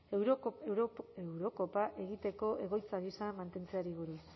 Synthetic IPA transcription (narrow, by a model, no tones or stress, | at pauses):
ɾ | ewɾo̞ko̞paʔe̞ɣit̪e̞ko̞ʔe̞ɣ̞o̞jt͡saβisamant̪e̞nt͡se̞aɾiɣuɾi